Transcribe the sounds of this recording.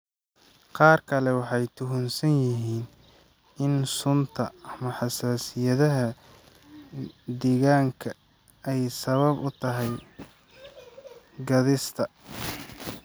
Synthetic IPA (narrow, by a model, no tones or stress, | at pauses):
qɑːrkʰɐlɛwɑħɑjt̪ʰʊɦʊnsɐnjɪɦiːn | ɪnsʊnt̪ʰɐɐmɐħɑsaːsɪjɐðɐɦɐ | d̪ɛːɣaːŋkʰɐ | ɛjsɐβɐbʊt̪ʰɐɦɛj | ɡɐðɪst̪ʰɐ